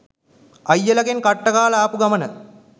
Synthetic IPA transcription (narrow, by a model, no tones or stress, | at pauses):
ɐjːɐlɐkenkɐʈːɐkaːɭɐaːpuɡɐmɐnə